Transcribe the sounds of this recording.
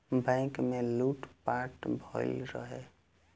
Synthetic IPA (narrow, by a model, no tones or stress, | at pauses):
bɛ̃ːŋkmẽluːʈpaːɾʈbʱɔːlɾəɦeː